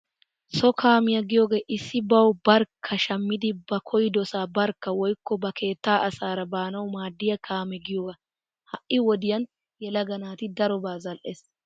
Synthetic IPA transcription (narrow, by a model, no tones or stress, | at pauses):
sɔkʰaːmɪjɐɡɪjoːɡe̞ːʔɪsːɪbɐwbɐɾkʰːɐʃɐmːɪd̪ɪbɐkʰɔjɪd̪ɔsaːbɐɾkːɐwɔjkːɔbɐkʰe̞ːt̪ːaːʔɐsaːɾɐbaːnɐwmaːd̪ːɪjɐkʰaːmɛɡɪjoːɡɐ | hɐʔʔɪwɔd̪ɪjɐn | jɛlɐɡɐnaːt̪ɪd̪ɐɾɔbaːzɐlʔeːs